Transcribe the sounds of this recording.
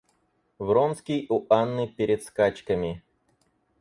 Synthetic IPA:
vɾonskʲijʊʔanːɨpʲɪɾʲɪt̪skat͡ɕkəmʲɪ

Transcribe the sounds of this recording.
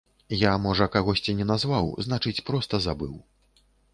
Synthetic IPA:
jamɔʐɐkaɣɔsʲt͡sʲinʲɛnazvawznat͡ʂɨt͡sʲpɾɔst̪ɐzabɨw

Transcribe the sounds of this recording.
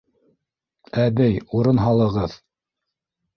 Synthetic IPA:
ædɘjuɾɤnɦɑlˠɤ̆ʁɤð

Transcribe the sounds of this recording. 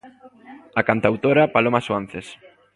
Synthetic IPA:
ɐkant̪awt̪oɾɐpalomasuan̟θes

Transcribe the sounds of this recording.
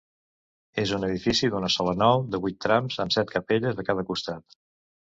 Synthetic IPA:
ezunəð̞ifisiðunəsɔlənɔwd̪əβujt̪ːɾamzəmsɛt̪kʰəpeʎəzðəkað̞əkust̪at̪

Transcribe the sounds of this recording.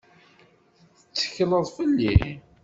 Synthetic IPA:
θθət͡sːə̥çləðˤfəlːḭ

